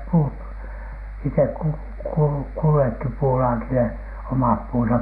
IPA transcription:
puːt itek̆ ku kul kulːekːi puːlɑːkile omɑp puːnsɑp

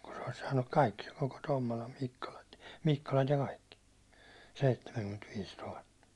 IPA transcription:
ku se̥ o̥l̥i̥s sɑːnːuk kɑikːi koko tomːolɑ mikːolɑ mikːolɑt jɑ kɑikːi seitːemæŋkymːentʋiːs tuhɑtːɑ

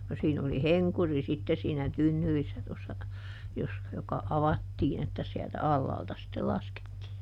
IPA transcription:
no siːn oli heŋkuri sitːe siːnæ tynːyrisːæ tosːɑ jos jokɑ ɑʋɑtːiːn etːæ siæltæ ɑlːɑːltɑ sitːel lɑsketːiː

